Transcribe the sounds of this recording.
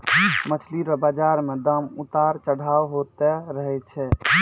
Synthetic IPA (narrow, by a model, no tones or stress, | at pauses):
mət͡ʃʰliɾəbad͡ʒaɾmed̪əmut̪aɾt͡ʃəɽ̤ʱawɦot̪ɛɾəɦɛt͡ʃʰɛ